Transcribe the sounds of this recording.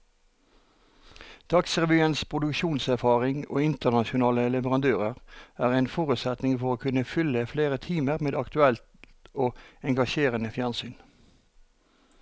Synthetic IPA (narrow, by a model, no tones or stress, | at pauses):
d̪̥ɑksʁɛʋyːənspʰʁʊd̪ʉkʃuːnsæʁfɑːʁɪŋo̰ːɪnt̪əʁnɑʃʊnɑːləlɛʋəʁɑnd̪øːʁəʁæːʁæɪnfɔʁʉt̪sɛt̪nɪŋfɔʁoːkʰʉnəfʏləfleːʁət̪ʰiːməʁmeːd̪ɑkt̪ʉɛlt̪ | oːɛŋɡɑʃeːʁənəfjænsyːn